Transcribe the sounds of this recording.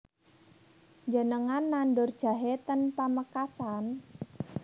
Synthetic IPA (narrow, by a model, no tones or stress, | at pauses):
ɲd͡ʒənəŋanːanɖʊrd̥ʒ̥a̤ɦet̪ənpəməkasan